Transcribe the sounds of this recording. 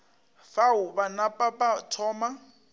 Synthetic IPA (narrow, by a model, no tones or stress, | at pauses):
faʊbanapʼapʼatʰɔːma